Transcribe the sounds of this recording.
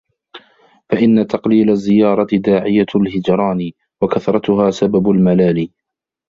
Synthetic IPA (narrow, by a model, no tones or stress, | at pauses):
faʔɪnːat̪ɑqliːlazːɪjɑːɾˤɑt̪ɪd̪aːʕɪjalhɪd͡ʒɾˤɑːn | wakaθɾˤɑt̪ʊɦaːsababʊlmalaːliː